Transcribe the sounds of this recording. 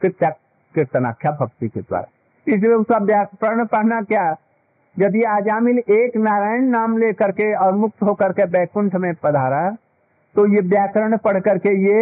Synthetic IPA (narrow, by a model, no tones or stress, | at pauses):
kɪa | kɪɾt̪əna̰ːkʰjabʱəkt̪iked̪wa̰ːɾa̰ | ɪsmeʊsabjaːkpɾəɾɳpəɽ̤nakja | d͡ʒɐd̪iaːd͡ʒaːmɪleːknaːɾaːjənːaːmlekəɾkeɔːɾmʊk̚t̪ɦokəɾkebɛːkʊ̃ɳʈʰmẽpɐd̪ʱaːɾaɦɛ | t̪ojebjaːkɾəɽ̃pəɽ̤kəɾkeje